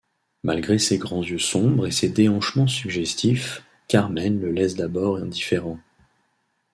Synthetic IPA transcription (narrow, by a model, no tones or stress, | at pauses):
malɡʁeseɡʁɑ̃zjøsɔ̃bʁesed̪eɑ̃ʃmɑ̃syɡʒɛst̪if | kaʁmɛnləlɛsd̪abɔʁɛ̰̃d̪ifeʁɑ̃